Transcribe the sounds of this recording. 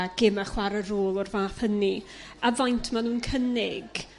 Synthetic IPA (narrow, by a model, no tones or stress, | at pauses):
ɡ̥ɪmaχwaɾəɾoːlˠɔrvaːθhəniavajntʰmanuːnkʰənɪɡ̥